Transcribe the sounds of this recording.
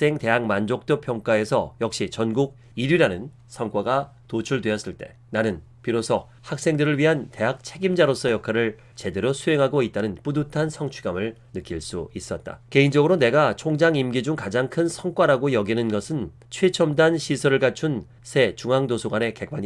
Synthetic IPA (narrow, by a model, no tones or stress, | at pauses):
s͈e̞ŋte̞ɦak̚mand͡ʑok̚t͈ʌpʰjʌŋk͈ae̞sʰʌ̰jʌk̚ɕ͈it͡ɕʌnɡuɡ̚ | iɾɥiɾanɯn | sʰʌŋkwaɡa | tot͡ɕʰuɭdwe̞ʌs͈ɯɭt͈e̞ | nanɯn | piɾosʰʌ | hak̚s͈e̞ŋdɯɾɯɭɥiɦante̞ɦak̚t͡ɕʰe̞ɡimd͡ʑaɾos͈ʰʌjʌkʰaɾɯɭ | t͡ɕe̞de̞ɾosʰue̞ŋɦaɡoit̚t͈anɯnp͈udutʰansʰʌŋt͡ɕʰiɡamɯɭnɯk͈ʰiɭs͈uis͈ʌt̚t͈a̰ke̞ind͡ʑʌɡɯɾone̞ɡat͡ɕʰoŋd͡ʑaŋimɡid͡ʑuŋkad͡ʑaŋkʰɯnsʰʌŋk͈waɾaɡojʌɡinɯnɡʌsʰɯn | t͡ɕʰwet͡ɕʰʌmdanɕʰisʰʌɾɯɭkat͡ɕʰun | sʰe̞t͡ɕuŋɦaŋdosʰoɡwane̞ke̞p͈aɲi